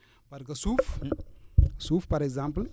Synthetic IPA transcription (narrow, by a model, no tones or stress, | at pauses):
b̥aɾikəsuf | sufpaɾekzãmpl